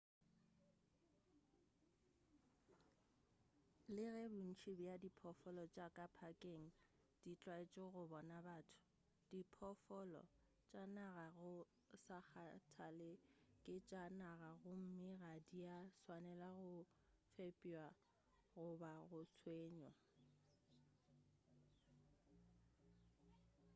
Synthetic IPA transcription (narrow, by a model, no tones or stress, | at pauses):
lɪɣɛbʊn̩t͡ʃʰibjadipʰɔfɔlɔt͡ʃʼakʼapʰakʼeŋ̩ | d̥it͡ɬʼwaet͡ʃʼɔɣʊbɔnabaːtʰʊ̥ | d̥ipʰɔfɔlɔ̰ | t͡ʃʼanaɣaɣʊ | sak͡xʰatʰalɪkʼɪt͡ʃʼanaɣaɣʊm̩mɪɣadiaswanɛlaɣʊ | fepʼwa | ɣʊbaɣʊsʰweːɲɔ